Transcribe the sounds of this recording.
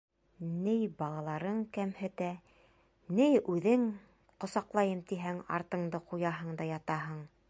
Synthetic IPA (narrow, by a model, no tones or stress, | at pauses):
nɘjbɑlˠɑlˠɑɾɤɴkæmhɘ̆t̪æ | nɘjʉðɘŋ | qŏsɑqlˠɑjɤmt̪iɦæŋɑ̰ɾt̪ɤ̆ɴd̪ɤqujɑɦɤɴd̪ɑjɑt̪ɑɦɤɴ